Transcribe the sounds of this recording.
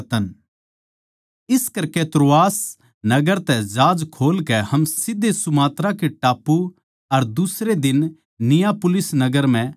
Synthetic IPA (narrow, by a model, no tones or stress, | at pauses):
t̪ən | ɪskɐɾket̪ɾoaːs | nɐɡəɾt̪ɛd͡ʒaːd͡ʒkʰoːlkɛhɐmsɪd̪ʱːesʊmaːt̪ɾakeʈaːpːu | ɐɾd̪ʊsɾed̪ɪn | nɪjapʊlɪsnɐɡəɾm̤ɛ̃